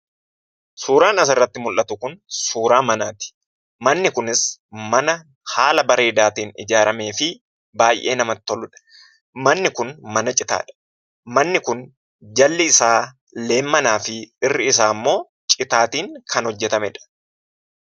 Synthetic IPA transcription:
suːɾaːnɐs̬ɪrːɐt̪ːɪmʊlʔːɐt̪ʊkʊnsuːɾaːmɐnaːt̪ɪ̥ | mɐnːɪkʊnɪsmɐnɐ | haːlɐbɐɾeːd̪aːt̪iːnɪ̰d͡ʒaːɾɐme̞ːfɪ | baːjʔe̞̰ːnɐmɐt̪ːɔlʊᶑɐ̥ | mɐnːɪkʊnmɐnɐt͡ʃʼɪt̪a̰ːᶑɐ̥ | mɐnːɪkʊn | d͡ʒɐlːɪːsaː | le̞ːmːɐnaːfɪɪrːɪɪs̬aːmːo̞ː | t͡ʃʼɪt̪aːt̪iːŋkʰɐnhɔd͡ʒːɛt̪ɐmɛᶑɐ̥

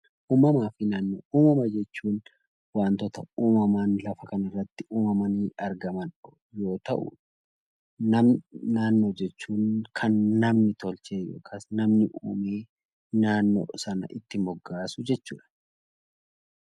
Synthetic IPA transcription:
ʔuːmɐmaːfɪnaːnːo̰ːʔuːmɐmɐd͡ʒɛt͡ʃːuːn | waːnt̪ɔt̪ɐuːmɐmaːnlɐfɐkɐnɐrːɐt̪ːɪʔuːmɐmɐniːʔɐɾɡɐmɐnɔ | jo̞ːt̪ɐʔʊ̰ | nɐnaːnːo̞ːd͡ʒɛt͡ʃːuːnkʰɐnːɐmnɪt̪ɔlt͡ʃe̞ːjo̰ːkʰaːsnɐmnɪʔuːmeː | naːnːo̰ːsɐnɐ̰ʔɪt̪ːɪmɔɡːaːsʊd͡ʒɛt͡ʃːuːᶑɐ̥

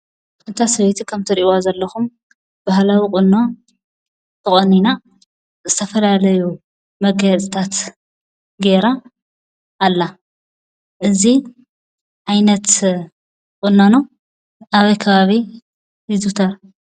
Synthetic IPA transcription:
ɨnt̪ʰasɐβet̪ʰikʰɐmt̪ʰɨɾiʔazɐlːɐxum | b̥ahlawikʼʊnːo̞ | t̪ʰɨχʼonina | zɨt̪ʰɐfɐlalɐju | mɐɡɐt͡sʼɨt̪ʰat̪ | ɡe̞ɾa | ʔːlːa | ʔɨzi | ʕajnɐt̪ | kʼɨnːono | ʔaβɐjkʰɐβaβi | jizut̪ʰɐɾ

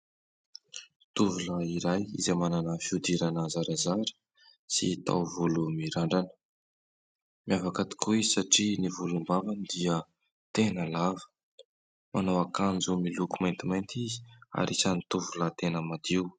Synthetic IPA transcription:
t̪uvuləiɾajḭzemananafiud̪iɾanəzaɾazaɾə̥ | sḭt̪a̰wvulumiɾaɳɖ͡ʐanə̥ | mjavakat̪i̥kuizsaʈ͡ʂinivulumbavanid̪iə | t̪enəlavə̥ | mʔanawakand͡zumilukumajnt̪imajnt̪izi̥a̰ɾisant̪uvulət̪enəmad̪iw

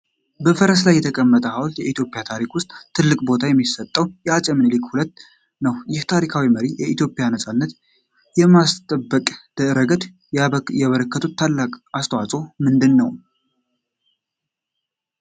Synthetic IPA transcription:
bəfəɾəs̬lajːɛt̪ʰəkʼəmːət̪ʼəhawlt̪jɛit̪ʰjo̞pʼjat̪ʰaɾikwʊst̪ʼt̪ʰːɨlːɨkʼbo̞t̪ʰajɛmːisət̪ʼːəwjɛat͡ʃʼɛmnlikhulət̪ː | nəwjɪht̪ʰaɾikʰawiməɾijɛit̪ʰjo̞pʼːɪjanəsʼanːət̪ | jɛmast̪ʼəbːəkʼd̪̥əɾəɡət̪ | jɛβəɾəkːət̪ʰut̪ʰːalːakʼast̪ʰəwasʼo̞mɨnd̪ɨnːəw

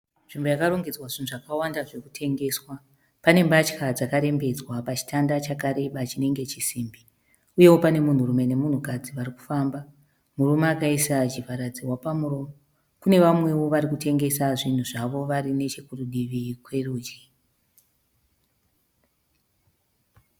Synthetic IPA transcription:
ʐ̥imbujakaroŋɡed͡zwaʐin̤uʐakawandaʐekutʰe̞ŋɡe̞swa | pane̞mbat͡ʃkad͡zakaɾe̞mbe̞d͡zwapat͡ʃi̥tʰandat͡ʃakaɾe̞ɓat͡ʃine̞ŋɡe̞t͡ʃisiːmbi | uje̞wopane̞mun̤urume̞ne̞mun̤ukad͡ziʋariku̥famba | murumaːkaisat͡ʃivaɾad͡ziwapamuro̞ːmo | kune̞ʋamwe̞wo̞ʋaɾikute̞ŋɡe̞saʐin̤uʐaʋo̞ʋaɾine̞t͡ʃekuruɗiʋikwe̞ruːd͡ʒi

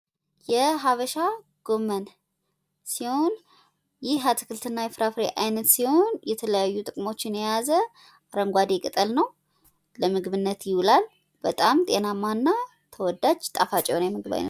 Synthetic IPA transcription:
jɛɦaβəʃa | ɡ̥o̞mːən | siho̞n | jɪhat̪ʰɨ̥kʰɨlt̪ʰɨnːajɛfɾafɾeʔajnət̪siho̞njɛt̪ʰələjajːut̪ʼɨkʼmo̞t͡ʃːɪnɛjazə | aɾəŋɡʷad̪ekʼɨt̪ʼəlnəw | ləmɨɡβɨnːət̪jɪwulal | b̥ət̪ʼamt̪ʼe̞namːanːa | t̪ʰəwɔd̪ːad͡ʒt̪ʼafat͡ʃʼɛwnjɛmɨɡɨβa̰jnə̰

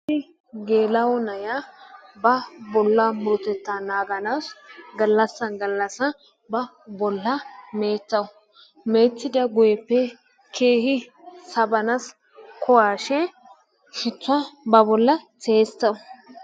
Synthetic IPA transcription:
tɪ | ɡe̞ːlɐwɔnɐjabɐbɔlːɐmʊɾʊt̪ɛt̪ːanaːɡɐnaːsɡɐlːɐsːɐnɡɐlːɐsɐ | bɐ | bɔlːɐme̞ːt͡sːɐwʊ | me̞ːt̪ːɪd̪ɐɡʊjɛpːɛ | kʰeːhɪ | sɐbɐnɐs | kʰɔwaːʃɛ | ʃɪt͡sːɐbɐbɔlːɐt͡seːst̪ːɐw

